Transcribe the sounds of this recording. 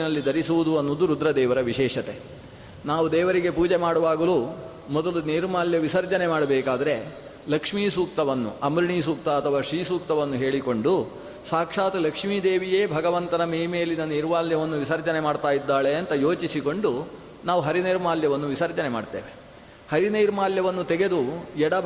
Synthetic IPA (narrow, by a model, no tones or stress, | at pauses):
inɐlːid̪ʱɐɾisuʋud̪uɐnːoːd̪uɾud̪ɾɐd̪ɛːʋɐɾɐʋiʃɛːʃɐt̪e | naːʋud̪ɛːʋɐɾiɡe̞puːd͡ʒemaːɽɐʋaːɡɐlu | mɔd̪ɐluneːɾumaːljɐʋisɐɾd͡ʒɐne̞maːɽɐbɛːkaːd̪ɐɾe̞ | lɐkʂmiːsuːk̚t̪ɐʋɐnːṵʔɐmɾiɳiːsuːk̚t̪ɐɐt̪ʰɐʋaːʂɾiːsuːk̚t̪ɐʋɐnːuɦe̞ːɭiko̞ɳɖu | saːkʂaːt̪ɐlɐkʂmiːd̪eːʋijeːbʱɐɡɐʋɐnt̪ɐnɐmeːmejɐlːinɐniɾʋaːljɐʋɐnːuʋisɐɾd͡ʒɐnemaːɖt̪aːjid̪ːaːɭe̞ɐnt̪ɐjo̞ːt͡ʃisiko̞ɳɖu | naːʋuɦɐɾiniːɾmaːljɐʋɐnːuʋisɐɾd͡ʒɐnema̰ːɖt̪eːʋe | hɐɾinɐjɾmaːljɐʋɐnːut̪ɛɡe̞d̪uɛɽɐ